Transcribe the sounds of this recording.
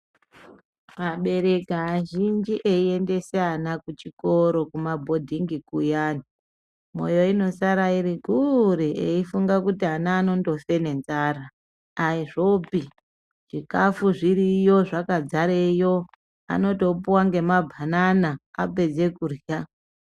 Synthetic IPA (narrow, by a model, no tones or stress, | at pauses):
maɓe̞ɾe̞kaːʒind͡ʒiʔeie̞nde̞seanakut͡ʃiko̞ɾo̞kumabʱo̞dʱiŋɡikujaːni | mo̞̰jo̞ino̞saɾaiɾiɡʱuɾieifuŋɡakutianaːno̞ndo̞fe̞ne̞nzaːraː | iʐo̞pi | ʐ̥ikafuʐiɾijo̞ʐakad͡zaɾejo̞ | a̰no̞to̞puwaŋɡe̞mabʱananaa̰pe̞d͡ze̞kurja